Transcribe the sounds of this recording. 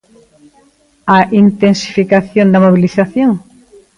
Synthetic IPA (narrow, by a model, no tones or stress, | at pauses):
aʔint̪ensi̥fikaθjond̪ɐmoβ̞iliθaθjoŋ